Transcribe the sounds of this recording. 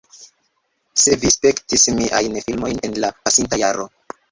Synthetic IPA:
se̞vispe̞ktismiʔa̰jnfilmo̞jne̞nlapasintajaɾo̞

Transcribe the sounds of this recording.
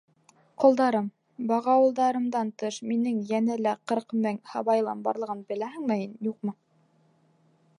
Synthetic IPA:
qŏlˠd̪ɑɾɤm | bɑʁɑwɤ̆lˠd̪ɑɾɤ̆md̪ɑnt̪ɤʃminɘŋjænælæqɤ̆ɾqmɘŋhɑβɑjlˠɑ̰nbɑ̰ɾlˠɤ̆ʁɤnbɘ̆læhɘ̆ŋmɘhinjuq̚mɤ

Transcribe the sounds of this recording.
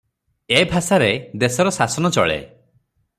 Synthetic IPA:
ebʱasaɾed̪esɔɾɔsasɔnɔt͡ʃɔ̰ɭḛ

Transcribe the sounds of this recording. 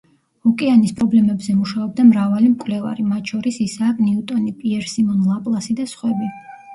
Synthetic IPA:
ɔkʼɛanispʼɾɔblɛmɛbzɛmuʃaɔb̚d̪amɾavalimkʼwlɛva̰ɾimat̪ʼʃʰɔɾisisaːkʼniut̪ʼɔnipʼiɛɾsimɔnlˠapʼlˠasid̪asχwɛbi

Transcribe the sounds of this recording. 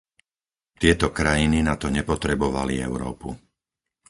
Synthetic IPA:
t̪ɪɛt̪ɔkɾajininat̪ɔɲɛpɔt̪ɾɛbɔʋaliɛ̰ʊɾɔ̰ːpu

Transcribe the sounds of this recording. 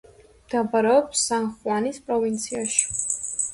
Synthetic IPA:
md̪̥abaɾɛɔpsːanχwanispʼɾɔvint̪sʰiaʃi̥

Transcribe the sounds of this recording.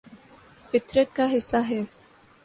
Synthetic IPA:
fɪt̪ɾet̪̚kaɦɪsːaɦeː

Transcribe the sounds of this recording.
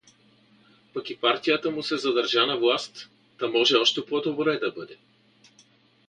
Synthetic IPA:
pɐkipaɾt̪ijət̪əmusɛzɐd̪ɐɾʒanɐvlˠast̪ː | amɔʒɛɔʃt̪ɛpod̪obɾɛd̪ɐbɤd̪ɛ

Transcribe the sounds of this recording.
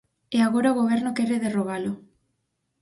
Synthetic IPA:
eaɣoɾaoɣoβ̞ɛɾnokeɾeðeroɣalʊ

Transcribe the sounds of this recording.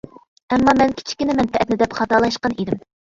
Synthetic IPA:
ɛmːɑmɛnkʲʰi̥t͡ʃʰi̥kʲinɪmɛnt̪ʰɛʔt̪nɪd̪ɛpχɑt̪ɑlˠɑʃqɑnid̪ɪm

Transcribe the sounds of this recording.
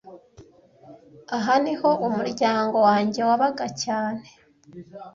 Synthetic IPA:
aɦaniho̞ʔumuɾɟaːŋɡo̞waːɲɟe̞waβaɡacaːne̥

